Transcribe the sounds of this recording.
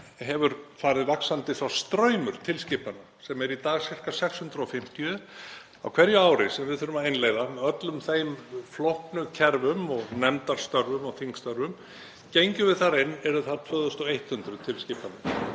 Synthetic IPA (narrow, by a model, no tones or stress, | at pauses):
ɦɛvʏɾfaːɾɪðvaksant̪ɪθɾawst̪ɾœːɥmʏɾ̥t̪ʰɪlscɪːpana | sɛmɛɾit̪aːɣsɪr̥kasɛkshʏnt̪ɾɔfɪm̥t̪jʏð | a̰wkʰvɛɾjʏaːwɾɪsɛmvɪðθʏɾʏmaðejnleːjðamɛðœt̪lʏmθejmflɔhpnʏcʰɛɾvʏmɔɣnɛnt̪aɾ̥st̪œɾvʏmɔɣθiŋkst̪œɾvʏm | cejɲcʏvɪðθaɾɪnːɛɾʏθaðt̪ʰvœːðʏst̪ɔejht̪hʏnt̪ɾʏt̪ʰɪlscɪːpanʏ